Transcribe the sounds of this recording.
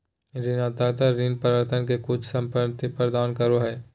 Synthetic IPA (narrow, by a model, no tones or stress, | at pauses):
ɾɪnat̪aːt̪əɾinpəɾʋəɾt̪ʰənkekʊt͡ʃʰsɐ̃mpəɾt̪ipɾəd̪aːnkɐɾoɦɛː